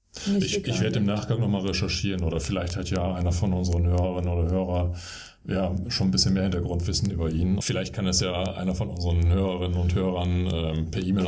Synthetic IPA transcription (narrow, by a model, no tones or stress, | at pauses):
ʔɪçʔɪçv̥eːɐdəɪmnaːχɡ̥aŋnɔχmaːlʁeʃɛɐʃiːʁənʔoːdɐfɪlaɪçthatʰjaːʔaɪnɐfɔnʔʊnzəʁənhøːʁɐʁɪnənoːdɐhøːʁɐ | jaːʃoːn̩bɪsçənmeːɐhɪntɐɡʁʊntv̥ɪsn̩ʔyːbɐʔiːnənfɪlaɪçt̚kʰanɛsjaːʔa̰ɪnɐfɔnʔʊnzəʁənhøːʁɐʁɪnənʊnthøːʁɐnʔɛːmpʰɛɐʔiːmeːl